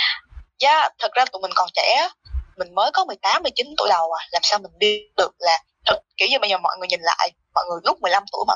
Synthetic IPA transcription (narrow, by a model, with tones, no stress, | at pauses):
zaː˨˦t̪ʰə˨˩k̚zaː˧t̪ṵ˧˨mï˨˩ŋ̟kɔ˨˩nt͡ɕɛ̰˧˩˨mï˨˩ŋ̟məː˨˦jkɔ˨˦mɨ˨˩əjt̪aː˨˦mːɨ˧əjt͡ɕï˨˦nt̪u˧˩˦jɗə˨˩wʔaː˨˩laː˨˩msaː˧wmï˨˩ŋ̟ɓi˧ɗɨ˨˩ək̚laː˨˩ | t̪ʰə˨˩t̚kːi˧˩əɲ˨˧˩ɓaː˧jzəː˨˩mɔ̰˧˨ŋɨ˨˩əɲï˨˩ŋ̟la̰ː˧˨j | mɔ̰˧˨jŋɨ˨˩əjlʊ˦˥k͡p̚mɨ˨˩əjla˧mt̪u˧˩əjma̰˧˨